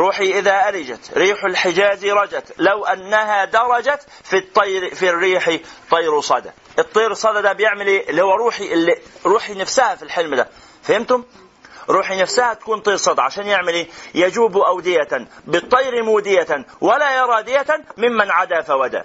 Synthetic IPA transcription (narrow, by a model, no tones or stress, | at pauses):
ɾuːħiʔɪðaʔaɾɪd͡ʒat̪ɾiːħʊlħɪd͡ʒaːziɾˤɑd͡ʒat̪lawʔanːaɦad̪ɑɾˤɑd͡ʒat̪ | fit̪ˤːɑjɾfirːiːħit̪ˤijːɾusˤɑd̪a̰ | ʔɨt̪ˤːiːɾsˤɑd̪ad̪abjɪʕmɪlilːihuwːaɾˤuːħiʔɪlːiɾuːħinafsahafilħɪlmd̪a̰ | fahɪmt̪ʊm | ɾˤuːħinafsahat̪ḁkuːnt̪ˤiːɾsˤɑd̪ʕaʃaːnjɪʕmɪlijad͡ʒuːbuʔawd̪ɪjabɨt̪ˤːɑjɾimuːd̪ɪjawalajɑɾˤɑːd̪ɪjat̪amɪmːanʕad̪afawad̪a̰